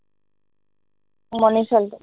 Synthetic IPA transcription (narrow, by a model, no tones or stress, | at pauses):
mɔniʃɔl